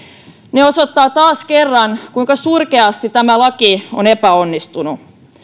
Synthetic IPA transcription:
neosot̪ːɑːt̪ɑːskerːɑnkuiŋkɑsurkeɑst̪it̪æmælɑkionepæonːist̪unu

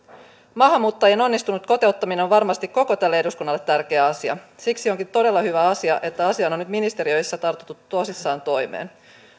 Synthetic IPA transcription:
mɑɦɑmːuːt̪ːɑjeno̞nːist̪unut̪ko̞t̪e̞ut̪ːɑmineoʋʋɑrmɑst̪ikkːo̞ko̞t̪ælːee̞duskunːɑlːe̞t̪ːærk̟e̞æɑsiɑ̰siksio̞ŋkint̪o̞de̞lːɑhyʋæɑsiɑ̰ʔe̞t̪ːæɑsiɑno̞nnyt̪minist̪e̞ɾiø̞jsːæt̪ɑrt̪ot̪ːut̪ːuosisːɑːnt̪o̞jmḛːn

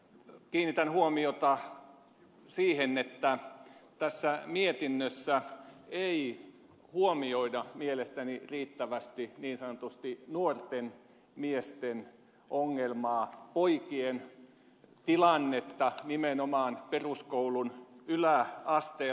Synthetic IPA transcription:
kiːnːit̪ænhuomiot̪ɑ | siːhenet̪ːæt̪æsːæmiet̪inːøsːæei | huomioidɑmielest̪æniriːt̪ːæʋæst̪iniːnsɑnot̪ust̪inuort̪en | miest̪en | ʔoŋːelmɑːpoikien | t̪ilɑnːet̪ːɑnimenomɑːnperuskoulunylæɑst̪eː

